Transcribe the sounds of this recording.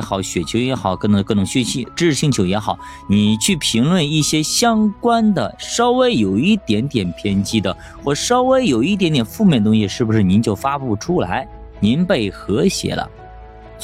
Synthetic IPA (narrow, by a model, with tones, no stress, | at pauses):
xɑ˨˩ʊɕɥɛ˨˩t͡ɕʰjo˧˥ʊjɛ˧˥xɑ˨˩˦ʊkə˥n˧˩kɤ˥˩nʊ˨˩ŋɕy˥˩nɕi˧˥ʈ͡ʂɻ̩˥˩ɻ̩˧ɕi˥˧ŋt͡ɕʰo˧˥jɛ˧˥xɑ˨˩˦ʊ | ni˨˩t͡ɕʰy˥˩pʰi˧˥ŋlwə˥˧ni˥˩ɕjɛ˥ɕjɑ˥ŋkwa˥nd̪ə̰˨ʂo˥ʊwe˥ɪjo˨˩ʊi˥˩t̪jɛ˧˥nt̪jɛ˨˩npʰjɛ˥nt͡ɕi˥d̪ə˨ | xwɔ˥˩ʈ͡ʂʂo˥ʊwe˥ɪjo˨˩ʊi˥˩t̪jɛ˧˥nt̪jɛ˨˩nfu˥˧mʲjnət̪ʊ˥ŋɕi˧ʂɻ̩˥˩bu˩ʂɻ̩˥˩ni˧˥nt͡ɕjo˥˩ʊfa˥pu˥˩ʈ͡ʂʰu˥la̰˧˥ɪ | ni˧˥npe˥˩ɪxɤ˧˥ɕjɛ̰˨˩˦lə̰˦